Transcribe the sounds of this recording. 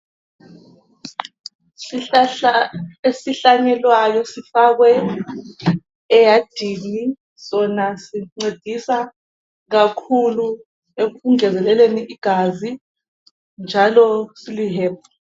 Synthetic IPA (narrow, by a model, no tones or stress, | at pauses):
esiɬaɲɛlwajɔsifaɣwɛ | jad̥ʱini | sɔnasiŋ͡ǀed̥ʱisa | ɣakʰulu | euŋɛzɛlɛleniʔiɡ̥ʱazi | nd͡ʒʱalɔsiliɦɛːp̚ʰa